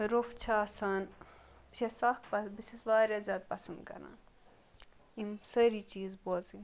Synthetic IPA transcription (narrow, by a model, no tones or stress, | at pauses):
ɾoft͡ʃʰaɐsaːn | bt͡ʃʰesaːkpɐbisɐsʋaːɾʲazʲaːd̪̚pɐsɐnd̪kɐ̰ɾa̰ːn | imsɐɾiːt͡ʃiːzboːzi